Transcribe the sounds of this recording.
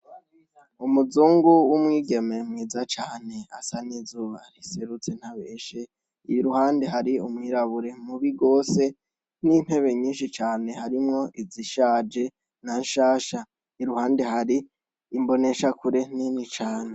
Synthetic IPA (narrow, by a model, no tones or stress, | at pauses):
umuzuːŋɡuwumŋiːɡe̞me̞mŋiːzat͡ʃaːne̞a̰sanizuːβaɾiseɾut͡se̞n̥haβeːʃe | ijuɾuhaːnde̞ɦaɾiumŋiːɾaβuɾe̞muβiɡo̞ːse̞ | nin̥he̞βe̞ɲiːnʃit͡ʃaːne̞haɾimŋo̞ʔiziʃaːd͡ʒe̞ | nanʃaːʃa | iɾuhaːnde̞ɦaɾiː | mbo̞ne̞ʃakuɾe̞ninit͡ʃaːne